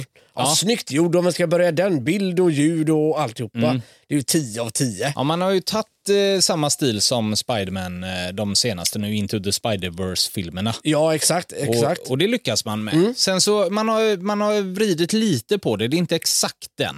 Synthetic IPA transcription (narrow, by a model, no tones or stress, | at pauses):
snʏkt̪ʰjuːɖɔmanskabœɾjad̪ɛnbɪld̪ɔjʉ̟ːd̪ɔalt̪ɪhuːpːa | d̪̥ɛjʉt̪ʰiːəavt̪ʰiːəʔmanhaɾjɵt̪ʰat̪ːsamːast̪iːlsɔmspajd̪əmænd̪ɔmseːna̰st̪ənʉːɪnt̪ʰʊðəspajd̪əvœɾsfɪlməɳajɑːɛksakt̪ɛɔsaktɔd̪ɛlʏkːasmanmɛ̰sɛnsɔmanhaɾmanhaɾvɾiːd̪ɪt̪liːt̪əpʰɔd̪ɛd̪ɛɪnt̪əɛksakt̪̚d̪ɛ̰n